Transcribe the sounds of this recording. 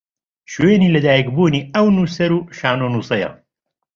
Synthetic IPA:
ʃujenilʲɛd̪æːjkbuːnʲiɐwnusɛɾuʃaːnonusɐjɐ̰

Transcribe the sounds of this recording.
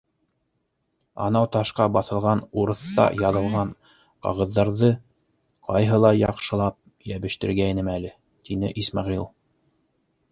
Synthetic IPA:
ɑ̰nɑwt̪ɑʃqɑbɑθɤ̆lˠʁɑnuɾɤ̆θt̪ɑ̰jɑðɤ̆lˠʁɑɴ | qɑ̰ʁɤ̆ðːɑɾðɤ | qʰɑjɦɤlˠɑjɑqʃɤ̆lˠɑp̚ | jæβɘ̆ʃt̪ɘ̆ɾɡæinɘmælɘ | t̪inɘ̰ʔismɑʁilˠ

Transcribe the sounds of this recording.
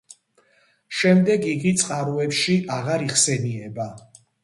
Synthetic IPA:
ʃɛmd̪ɛɡiɡit̪sʼqʼaɾuɛpʃiʔaʁaɾiχsɛniɛba

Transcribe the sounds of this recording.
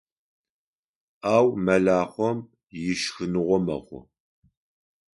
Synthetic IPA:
aːwmɐɮaːχʷɔm | jɪʃxɨnɨʁʷɔmɐ̰ʁʷʊ̰

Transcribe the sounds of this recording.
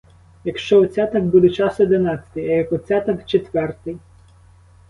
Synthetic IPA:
jɐkʃt͡ʃɔɔt͡sʲat̪ɐk̚bud̪ɛt͡ʃɑsɔd̪ɪnɑt͡sʲɐ̥t̪ɪjɐjɐkɔt͡sʲat̪ɐkt͡ʃet̪ʋɛrt̪ɪj

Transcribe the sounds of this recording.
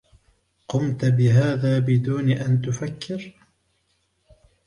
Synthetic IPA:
qʊmt̪bɪɦaːðaːbɪd̪uːnʔant̪ʊfakʰːɪɾ

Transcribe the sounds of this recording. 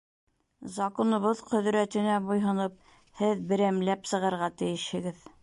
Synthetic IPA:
zɑkonŏβɤðqɵ̆ðɾæt̪ɘ̆næbujɦɤ̆nɤp̚ | hɘðbɘ̆ɾæmlæpsɤ̆ʁɤ̆ɾʁɑt̪ɘ̆jɘʃhɘ̆ɡɘð

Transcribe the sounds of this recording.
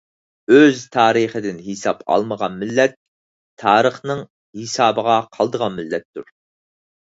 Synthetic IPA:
øzt̪ʰɑːɾəχəd̪ɪnhisɑpʰɑ̰lˠməʁɑnmɪlːɛt̪̚ʰː | ɑːɾəχnɨŋ | hisɑːbəʁɑqʰɑlˠd̪əʁɑnmɪlːɛt̪ːuɾ

